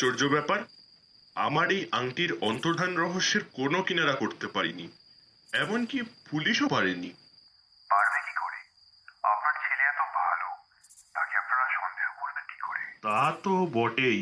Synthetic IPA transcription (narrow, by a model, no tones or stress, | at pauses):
t͡ɕoɾd͡ʑobɛpaɾ | a̰maɾejʔaŋʈiɾɔnt̪oɾd̪ʱanɾɔɦoʃːeɾkonokinaɾakoɾt̪epaɾḭni | ɛboŋkipuliʃopaɾeni | baɾbeki̥kɔɾe | a̰pnaɾt͡ɕʰeleɛt̪obʱa̰lo | t̪akeapnaɾaʃɔnd̪ʱeɦokoɾbenki̥kɔɾet̪at̪obɔʈej